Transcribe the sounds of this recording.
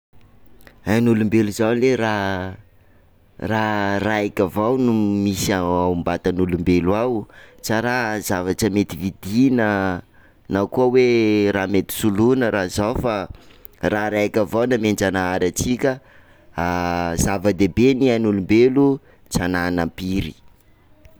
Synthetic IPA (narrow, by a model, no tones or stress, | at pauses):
ajnulumbeluzawleɾa | raraikʲəvawnumisaaumbat̪anulumbeluawt͡saɾazavaʈ͡ʂəmet̪ivid̪inə | nawkuəweramet̪i̥sulunəɾʔazawfa | raɾakʲəvawnamend͡ʒanaaɾat͡sikʲə | azavəd̪ebenianulumbelu | t͡sananəpiɾi